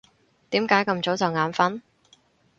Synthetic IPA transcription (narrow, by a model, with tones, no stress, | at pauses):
t̪iː˨˥mkaː˨˥jkɐ˧mt͡so˨˥wt͡sɐ˨wŋaː˨˧nfɐ˥n